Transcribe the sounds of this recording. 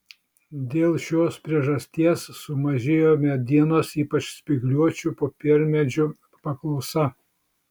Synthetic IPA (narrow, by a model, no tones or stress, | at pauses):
d̪ʲeːlˠʃʲoːspʲɾʲiɛʒɐsʲt̪ʲiɛsːʊmɐʒʲeːjoːmʲɛd̪ʲiɛnoːsiːpɐt͡ʃsʲpʲɪɡlʲuɔt͡ʃʲupoːpʲɪɾʲmʲɛd͡ʒʲʊ | pɐklˠɒʊsɐ